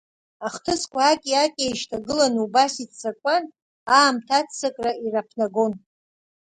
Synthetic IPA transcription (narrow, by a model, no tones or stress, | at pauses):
aχtʰɨskʷʰaːkʲʼiakʲʼejʃtʰaɡɨlanubasitʰt͡sʰakʷʼan | aːmtʰat͡sʰt͡sakʼrairapʰnaɡo̞n